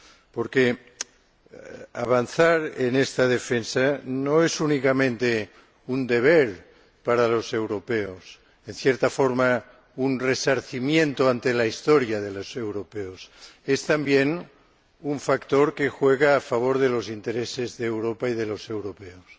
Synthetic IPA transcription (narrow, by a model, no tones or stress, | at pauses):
poɾke | a̰β̞anθaɾḛnest̪aðefensanoesunikamẽnt̪e | und̪eβ̞eɾ | paɾalo̞sewɾopeos | enθjeɾt̪afoɾma | unresaɾθimjent̪oant̪elaist̪oɾjaðelosewɾopeosest̪ambjen | uɱfakt̪oɾkexweɣ̞aːfaβ̞oɾðelo̞sint̪eɾesezðeːwɾopaiðelo̞se̞wɾopeos